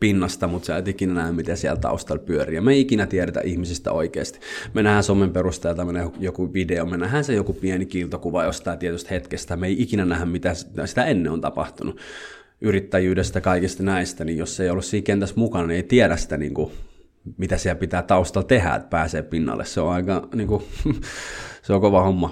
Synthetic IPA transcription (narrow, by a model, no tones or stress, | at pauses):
pinːɑst̪ɑmut̪seæˑyt̪ikinænæhæmmit̪esiæ̰lt̪ɑ̰ust̪ɑlpyøriːjɑmeiikinæt̪ieɾæt̪æ̰ʔihmisist̪æ̰oikḛːst̪i̥menæhænsomemperust̪eˑːlt̪ɑmenejokuʋideomenæhænsejokupienikilt̪okuʋɑjost̪ɑˑːt̪iet̪yst̪het̪kest̪æmeiʔikinænæhæmmit̪æssi̥t̪æenːeont̪ɑpɑ̰ht̪unu | ʔyrit̪ːæjyːdest̪jɑkɑikist̪ɑnæist̪ænijjosseˑijolːussiːhkent̪æsmukɑnɑnieit̪iælæssi̥t̪ænḭːŋku | mit̪æsiælpit̪æːt̪ɑust̪ɑlt̪ehæ̰pæːseːppinːɑ̰lːʔḛsseõɑikɑniːŋku | seokoʋɑhomːɑ